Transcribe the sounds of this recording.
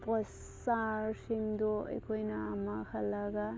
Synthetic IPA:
pɔs | aɾsimd̪oə̰jkʰojnaːmakʰalaɡa

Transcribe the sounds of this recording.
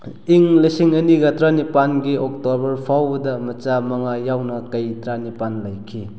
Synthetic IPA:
iŋlisiŋɐniɡɐtɾanipanɡiok̚tobɐɾpʰawbɐdɐmɐt͡ʃamɐŋajawnɐkɐjtɾanipanlɐjkʰi

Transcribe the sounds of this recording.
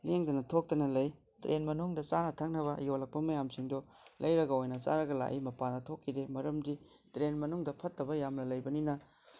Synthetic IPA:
leŋdɐnɐtʰok̚tɐnɐlɐj | tɾʔenmɐnuŋdɐt͡ʃanɐtʰɐk̚nɐβɐjolɐk̚pɐmɐjamsiŋdɔ | lɐjɾɐɡɐojnɐsa̰ɾɐɡɐla̰ʔimɐpanɐtʰokʰːidemɐɾɐmdi | tɾenmɐnuŋdɐpʰɐtːɐbɐjamnɐlɐjbɐninɐ

